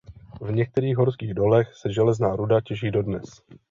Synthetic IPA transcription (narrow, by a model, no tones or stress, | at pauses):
vɲɛk̚t̪ɛɾiːɣɦoɾskiːɣdo̞lɛxsɛʒɛlɛznaːɾudacɛʒiːdo̞dnɛs